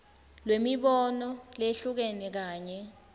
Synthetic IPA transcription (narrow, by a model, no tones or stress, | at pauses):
lwemiɓɔnɔleɬuk̬enik̬aːɲɛ